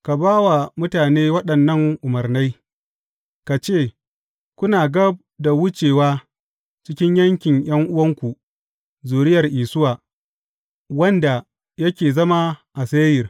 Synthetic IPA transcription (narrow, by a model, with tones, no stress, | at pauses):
ka˨baː˦wa˨mʊ˦taː˨neː˦wɐ˦ɗɐ˨nːɐ˦˨ŋʔʊ˨mɐ˨rna˦j | ka˨t͡ʃeː˦˨ | kʷʊ˦naː˨ɡɐ˦b̚da˨wʊ˦t͡ʃeː˨waː˦ | t͡ʃɪ˦kʲɪ˦ɲjɐ˦ŋkʲɪ˨ŋj̰ɐ˦ŋʔʊ˦wɐ˦ŋkʷu˨ | zuː˨ɽɪ˦jɐ˨rʔiː˨sʊ˦waː˨ | wɐ˦nda˨ | jɐ˦kʲeː˨zɐ˦ma˦ʔa˨seː˦jɪ˨r